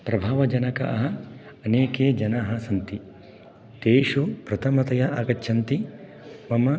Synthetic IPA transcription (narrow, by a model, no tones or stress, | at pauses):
pɾɐbʱaːʋɐd͡ʒɐnɐkɐ̰ʔɐɦɐ | ɐneːkeːd͡ʒɐnaɦɐsɐnt̪i | t̪eːʂupɾɐt̪ʰɐmɐt̪ɐjɐʔaːɡɐtːʃʰɐnt̪i | mɐmɐ